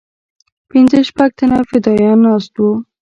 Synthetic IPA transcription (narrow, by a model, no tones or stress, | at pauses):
pɪnzəʃpaɡ̚t̪ʰanafɪd̪ɑjɑnːɑst̪wo